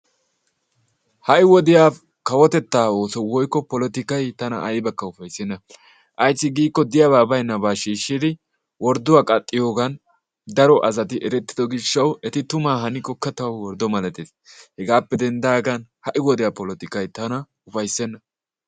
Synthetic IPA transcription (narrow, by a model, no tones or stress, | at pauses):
hɐʔɪwɔd̪ɪjaː | kɐwɔt̪ɛt̪ːaːo̞ːsɔwɔjkːɔpɔlɔt̪ɪkɐjt̪ɐnɐ̰ʔɐjbɐkːɐʊfɐjsːɛnːɐ | ʔɐjsːɪɡiːkːɔd̪ɪjaβaːbɐjnːɐbaːʃiːʃːɪd̪ɪ | wɔɾd̪ʊwaːkʼɐt̪ʼːɪjo̞ːɡɐn | d̪ɐɾɔʔɐzɐt̪ɪʔɛɾɛt̪ːɪd̪ɔɡɪʃːɐwɛt̪ɪt̪ʊmaːɦɐnɪkɔkːɐt̪ɐwwɔɾd̪ɔmɐlɛt̪eːshɛɡaːpːɛd̪ɛnd̪aːɡɐnhɐʔɪwɔd̪ɪjaːpɔlɔt̪ɪkɐjt̪ɐnɐ | ʊfɐjsːɛnːɐ